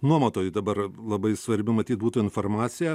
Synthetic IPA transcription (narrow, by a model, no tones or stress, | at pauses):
nuɔmɐt̪oːjʊd̪ɐbɐrlˠɐbɐɪsʋɐɾʲbʲɪmɐt̪ʲiːt̪̚buːt̪uːɪnfoːrmɑːt̪sʲɪjɛ